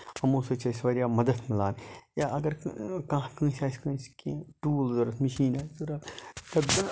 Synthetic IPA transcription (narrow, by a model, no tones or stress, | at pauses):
ɐmõːsɐt͡ʃɐsʋɐɾjaːmɐd̪ɐt̪ʰmɪlaːnjaːʔɐɡɐɾkãkə̃ːsʲaːskɐ̃ːskĩʈuːlzɐɾɐt̪mɐʃiːnaːzuɾat̪ɐ